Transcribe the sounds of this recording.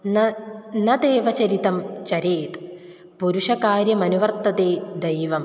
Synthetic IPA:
nnɐd̪eːʋɐt͡ɕɐɾit̪ɐmt͡ɕɐɾeːt̪ | puɾuʂɐkaːɾjɐmɐnuʋɐrt̪ɐd̪eːd̪ɐjʋɐm

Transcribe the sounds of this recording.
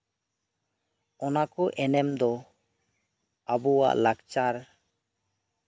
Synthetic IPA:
ɔnakɔʔɛnɛmd̪ɔ | abuwa̰ʔlaɡt͡ʃaɾ

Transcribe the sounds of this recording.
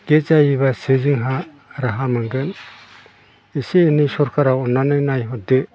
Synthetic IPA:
ɡ̥et͡ʃaiβasezɯŋɦa | ɾaɦamɯŋɡɯn | iseːnisɔɾkʰaɾawɔnanɯnajɦɔde

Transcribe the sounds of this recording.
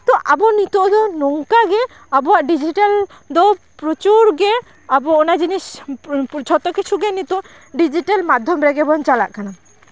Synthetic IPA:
t̪ɔʔabɔnit̪ɔʔd̪ɔnɔŋkaɡɛ | abɔwaʔɖid͡ʒiʈal | d̪ɔ | pɾɔt͡ʃuɾɡɛ | abɔɔnad͡ʒinis | t͡ʃʰɔt̪ɔkit͡ʃʰuɡɛnit̪ɔʔ | ɖid͡ʒiʈalmad̪ʱːɔmɾɛɡɛbɔnt͡ʃala̰ʔkana

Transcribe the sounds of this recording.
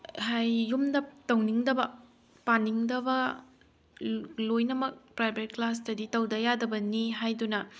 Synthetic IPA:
hajːumdɐtɐwniŋdɐbɐ | paniŋdɐbɐ | lojnɐmɐk̚pɾajbeɾklas̬tɐditɐwdɐjadɐbɐniɦajdunɐ

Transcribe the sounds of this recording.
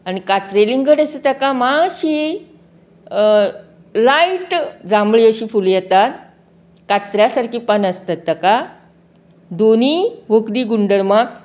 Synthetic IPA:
añikat̪ɾeliŋɡəɽəsət̪əkamaɕi | laiʈd͡zambɭiəɕiːfuljɛt̪at̪̚ | kat̪ɾjasaɾkiːpanəst̪at̪ːəka | d̪oniʋəkd̪iːɡuɳɖəɾmak

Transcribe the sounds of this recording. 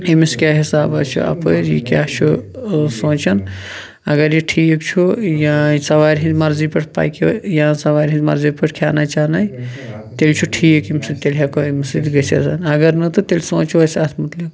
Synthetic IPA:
emiskjaːɦisaːbɐt͡ʃʰṵɐ̰pəɾjḭkʲaːt͡ʃʰusõːt͡ʃɐn | ɐɡɐɾjiʈʰiːkt͡ʃʰujãsɐʋaːɾɦĩzmɐɾzipɐʈʰpa̰ːjkjãːsɐʋaːɾʲɦĩzmɐ̰ɾzipəʈʰkʰjaːnat͡ʃaːnaj | t̪elʲt͡ʃʰuʈʰiːjkimsid̪̚t̪elʲɦakomɐsid̪ɡɐsɐ̰sɐnɐɡɐɾnɨt̪ɨt̪elʲsõːt͡ʃuɐsɐt̪ʰmɐt̪lik

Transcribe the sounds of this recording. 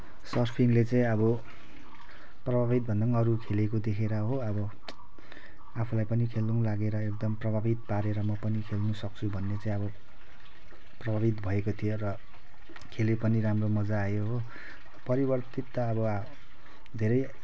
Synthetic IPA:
sʌrpʰiŋlet͡saĩʌbʌ | prʌbʱaβit̪̚bʱʌndʌŋʌɾukʰelekod̪ekʰeɾʌɦoʌbʌ | apʰulajpʌnikʰelnuw̃laɡeɾʌek̚d̪ʌmprʌbʱabit̪̚paɾeɾʌmʌpʌnikʰelnusʌk̚t͡sʰubʱʌnːet͡saĩj̃ʌbʌ | prʌbʱabit̪bʱʌekot̪ʰijorʌ | kʰelepʌniɾamromʌd͡zaːjoɦo | pʌɾibʌrt̪it̪ːʌːbʌ | d̪ʱeɾʌj

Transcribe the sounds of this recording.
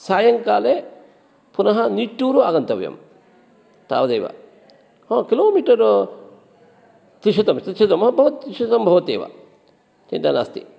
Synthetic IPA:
saːjɐŋkaːle | punɐɦɐniʈːuːɾuaːɡɐnt̪ɐʋjɐ̰m | t̪a̰ːʋɐd̪ɐjʋa̰ | hɔ̃ːkiloːmiːʈɐɾ | t̪ɾiʃɐt̪ɐmt̪ʃʰɐt̪ɐmɦɐ̃bɐʋut̪iʃɐt̪ɐmbʱɐʋɐt̪ḛːʋa̰ | t͡ʃḭnt̪ɐnɐ̰st̪ḭ

